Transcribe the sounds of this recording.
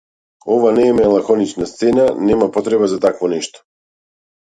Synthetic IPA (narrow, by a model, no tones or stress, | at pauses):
ɔvanɛmɛlˠaxɔnit͡ʃnast̪sɛnanɛmapɔt̪ɾɛbazat̪akvɔnɛʃt̪ɔ̥